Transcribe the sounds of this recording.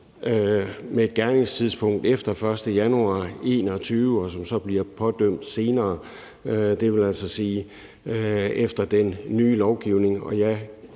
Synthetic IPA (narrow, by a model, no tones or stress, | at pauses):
ømeːd̥̚ɡ̥æɐne̝ŋst͡sʰiðˠspʰɔ̽ŋ̰d̥efd̥ɐfɶɐsd̥əjænuɑ̰̈ːe̝̰ːnɒt͡sʰyːʊəɒ̽sɒ̽msɒ̽b̥liɐpʰɒ̽d̥øm̰d̥se̝ːnɐː | d̥e̝ʋe̝læl̰sɒsiː | efd̥ɐd̥enːyːlɒʊɡ̥iʊ̰ne̝ŋɒ̽jɑɪ